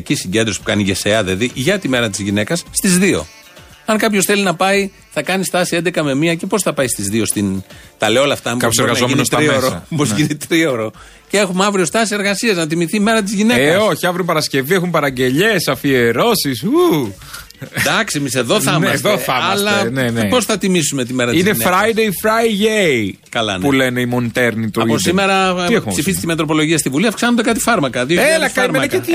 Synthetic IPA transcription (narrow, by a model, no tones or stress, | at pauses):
cisiɲɟend̪ɾospu̥kɐniʝeseɐðeɐðiʝɐt̪ime̞ɾɐt̪izʝine̞kɐsːt̪izðio̞̰ | ɐŋkɐpço̞sθe̞linɐpɐi | θɐkɐnist̪ɐsie̞nd̪ekɐme̞miɐce̞po̞sθɐpɐist̪izðio̞st̪int̪ɐleolɐft̪ɐmbkɐjoseɾɣɐznzomienosɾioɾopozʝinit̪ɾio̞ɾo̞ | cee̞xumɐvɾio̞st̪ɐsise̞ɾɣɐsiɐznɐt̪̬imiθime̞ɾɐt̪̬izʝinekɐsoçiɐvɾupɐɾɐsce̞viexumpɐɾɐɲɟe̞ʎesɐfieɾo̞sisu | d̪ɐksiemise̞ðo̞θɐmɐðoɐmɐslɐnenpo̞sθɐt̪imisume̞t̪ime̞ɾɐt̪izneneɾɐjd̪ejfɾɐjʝej | kɐlɐ̰npulene̞imont̪eɾnit̪uɐosimeɾɐxpsifizist̪imeɐt̪ɾo̞p̬o̞lo̞ʝiɐst̪ivuliɐfksɐnond̪e̞kɐt̪i̥fɐɾmɐkɐðioelɐkɐɾmeɐɐke